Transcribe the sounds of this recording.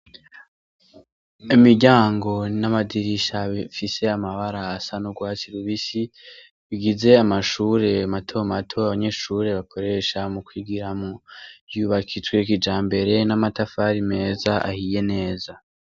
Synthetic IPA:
imiɾɟaːŋɡo̞namadiɾiʃaβifise̞amaβaɾaːsanoɡwaːt͡ʃiɾuβisi | βiɡize̞amaʃuːɾe̞amatʰo̞matʰo̞aβaɲe̞ʃuːɾe̞βakʰo̞ɾe̞ʃamukwiːɡiɾamojuβakʰit͡sɡwe̞kid͡ʒaːmbe̞ɾe̞namatafaɾime̞ːzaʔa̰hije̞ne̞ːza

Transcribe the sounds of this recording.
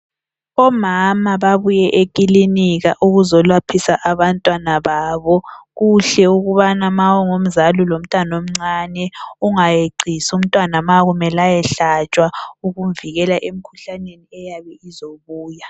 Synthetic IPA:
ɔmamaβaβujɛʔekʼiliniɣaʔuɣuzɔlwapʰisaʔaβantʼwanaβaːβɔɣuɬɛuɣuβanamawɔŋom̩zalulom̩tʼanom̩ŋ͡ǀanɛuŋajeǀʱisum̩tʼwanamaɣumɛlajɛɬat͡ʃʼwauɣumviɣɛlaʔem̩kʰuɬaneniɛjaβɛizoβuːja

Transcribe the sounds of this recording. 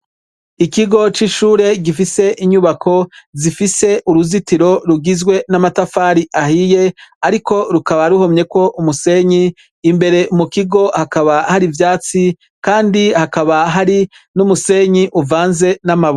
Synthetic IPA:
ikiɡo̞t͡ʃiʃuːɾe̞ɡifise̞ʔiɲuβakʰo̞zifise̞ʔuɾuzitiɾo̞ɾuɡizɡwe̞namatafaːɾiʔahije̞aɾiko̞ɾukaβaɾuho̞mɲe̞ko̞ʔumuse̞ɲiː | mbe̞ɾe̞umukiɡo̞hakaβahaɾivjaːt͡si | kaːndihakaβaɦaɾi | numuse̞ːɲiʔuvaːnze̞namaβ

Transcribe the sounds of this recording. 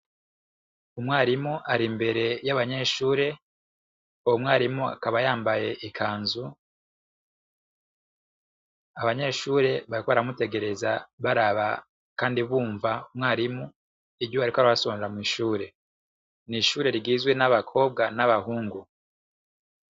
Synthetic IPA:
umŋaːɾimuʔaɾimbe̞ɾe̞jaβaɲe̞ːʃuːɾe̞ | uwumŋaːɾimua̰kaβajaːmbaje̞ʔikʰaːnzu | aβaɲe̞ːʃuːɾe̞βaɾikoβaɾamute̞ɡe̞ɾe̞zaβaɾaβa | kaːndiβuːɱvaumŋaːɾimu | ibɟoβaɾikoaɾaβasoːneɾamwiːʃuːɾe̞ | niʃuːɾe̞ɾiɡiːzɡwe̞naβakʰo̞ːb̚ɡanaβahuːŋɡu

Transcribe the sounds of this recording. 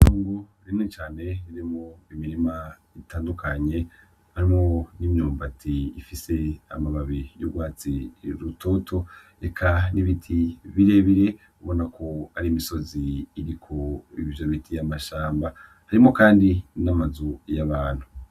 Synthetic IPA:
tuːŋɡu | ɾinŋet͡ʃaːne̞ɾiɾimŋoimiɾima | itaːndukʰaɲe̞ | haɾimŋonimɲuːmbatʰiːfise̞a̰maβaβijṵɡwaːt͡siɾuto̞tʰo̞ | ekʰaniβitʰiβiɾe̞βiɾe̞ | uβo̞nakʰo̞aɾiːmiso̞ziːɾikʰoiβiomitʰijamaʃaːmba | haɾimokaːndinamazujaβaːn̥hu

